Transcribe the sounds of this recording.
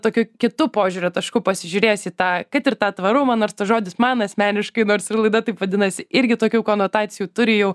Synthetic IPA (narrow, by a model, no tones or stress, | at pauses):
t̪oːkʲuːkʲɪt̪ʊpoːʒʲʊːɾʲʊt̪ɐʃkʊːpɐsʲɪʒʲʊɾʲeːjsiːt̪ɑːkɐtɪrt̪ɑːt̪ʋɐɾʊmɐnoːɾst̪ɐʒoːd̪ʲɪsmɑːnɐsʲmʲæːnʲɪʃkɐɪnoːrsɪlˠɐɪd̪ɐt̪ɐɪpʋɐd̪ʲɪnɐsʲɪʔɪɾʲɡʲɪt̪oːkʲuːkoːnoːt̪ɑːt̪sʲɪjuːt̪ʊɾʲɪjɛʊ